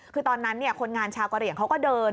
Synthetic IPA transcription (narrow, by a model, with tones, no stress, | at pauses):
kʰɯː˧t̪ɔː˧nːa˦˥nːi˥˩ɐkʰo˧nŋaː˧nt͡ɕʰaː˧wka˧ɾi˨˩əŋkʰa˦˥wkɔː˥˩dɤː˧n